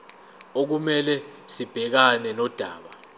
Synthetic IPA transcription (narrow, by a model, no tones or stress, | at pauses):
ok̬umɛlɛsib̥ʱɛk̬anɛnɔd̥ʱaːɓa